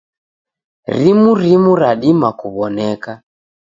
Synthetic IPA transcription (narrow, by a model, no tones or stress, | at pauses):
ɾimuɾimuɾaɗimakuβɔnɛka